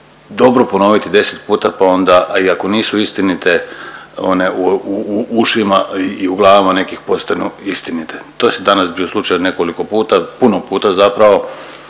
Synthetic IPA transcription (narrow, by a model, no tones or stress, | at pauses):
d̪o̞bɾopo̞no̞ʋit̪id̪e̞set̪puːt̪apao̞nd̪aiako̞niːsuist̪init̪e̞o̰neʔuuuʃimaiːuɡlˠaːʋimane̞kixpo̞st̪anuist̪init̪et̪osid̪anasbioslˠut͡ʃajone̞ko̞liko̞puːt̪apunopuːt̪azapɾaʋo̞